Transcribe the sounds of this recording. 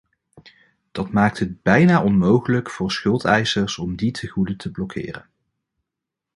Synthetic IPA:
d̥ɑtmaːk̚tɦəd̚bɛjnaːʔɔnmowχələkfʊːɹsχɵlˠtɛjsəɹsɔmditʰəχudətʰəblɔkʰɪ̰ːrə̰n

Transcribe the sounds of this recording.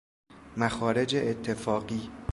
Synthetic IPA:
mæxɒːɾe̞d͡ʒeʔːt̪ʰːe̞fɒːɢiː

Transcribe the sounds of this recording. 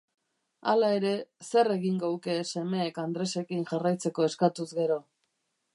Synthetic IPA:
alae̞ɾe̞se̞re̞ɣiŋɡowke̞se̞me̞ːkand̪ɾe̞se̞kinʝarajt͡se̞ko̞e̞skat̪uzɣe̞ɾo̞

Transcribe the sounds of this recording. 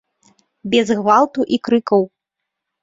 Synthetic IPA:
bʲɛzɣvalˠt̪uʔikɾɨkɐw

